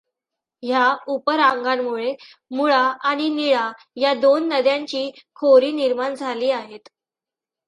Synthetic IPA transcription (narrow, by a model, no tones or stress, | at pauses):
ɦjaupəɾaŋɡanmuɭe | muɭaːɽ̃iniɭa | jad̪onːəd̪jaɲt͡ɕiːkʰoɾiːniɾmaɳd͡zʱaliːaɦet̪